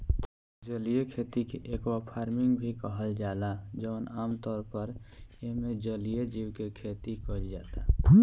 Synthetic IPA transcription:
d͡ʒəlijekʰet̪ikeʔekwapʰaːɾmɪŋɡbʱikəɦəld͡ʒaːlad͡ʒəːnaːmt̪ɔːɾpəɾjeɦmẽd͡ʒəlijed͡ʒiwkekʰet̪ikəld͡ʒaːt̪a

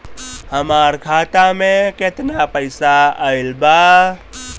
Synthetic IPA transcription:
həmaɾkʰat̪ameket̪napəɪsaəɪlba

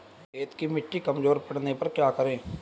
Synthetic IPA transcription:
eːt̪kimɪʈːikəmzoːɾpəɽnepəɾkjaːkəɾẽː

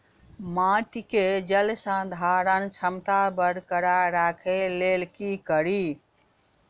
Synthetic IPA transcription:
mãʈiked͡ʒəlsə̃d̪ʱaɾənt͡ʃʰəmt̪abəɾkəɾaɾakʰelelkikəɾi

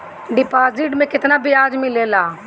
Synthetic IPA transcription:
ɖɪpaːzɪʈmẽːkɪt̪naːbʱiaːd͡ʒmĩːleːlaː

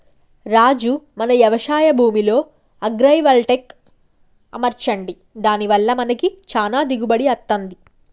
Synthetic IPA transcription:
ɾaːd͡ʒumɐnɐjɐʋɐʂaːjɐbʱuːmilo̞ː | ɐɡɾɐjʋɐlʈek | ɐ̰mɐɾt͡ʃɐɳɖi | d̪aːniʋɐlːɐmɐnɐkit͡ʃaːnaːd̪iɡubɐɽiɐt̪ːɐnd̪i

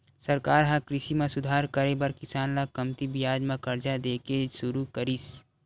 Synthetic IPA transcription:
sɐɾkaːɾɦãkɾɪʃimẽsʊd̪ʱaːɾkəɾebɐɾkɪsaːnlakɐmt̪ibɪjaːd͡ʒmãkɐɾd͡ʒad̪eːkesʊɾukəɾis

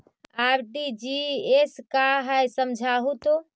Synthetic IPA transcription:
aɾɖid͡ʒieskaɦəjsəmd͡ʒʱaɦut̪o

